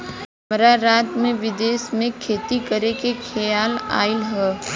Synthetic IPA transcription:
ɦɐmɾaɾaːt̪mẽʋɪd̪eːsmẽkʰeːt̪ikɐɾekekʰɛjaːla̰ːɪlɦɛː

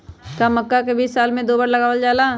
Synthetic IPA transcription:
kamɐkːakebiːsːaːlmẽd̪oːbəɾlɐɡaːʋəld͡ʒaːlaː

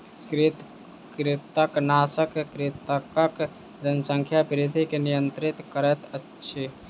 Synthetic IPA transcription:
kɾɪt̪ | kɾɪt̪əknasəkkɾɪt̪əkək | d͡ʒənsəŋkʰjapɾid̪ʱikenijənt̪ɾit̪kəɾɛt̪ətːʃʰe

